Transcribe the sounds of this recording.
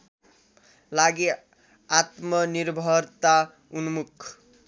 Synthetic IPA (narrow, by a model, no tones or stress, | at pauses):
laɡe | at̪mʌnirbʱʌrt̪a | unmukʰ